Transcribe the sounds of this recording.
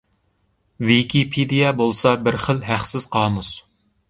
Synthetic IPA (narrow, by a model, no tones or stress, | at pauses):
wikʲʰipʰid̪ijɛbolˠsɑbɪɾχəlɦæχsɪz̥qʰɑːmus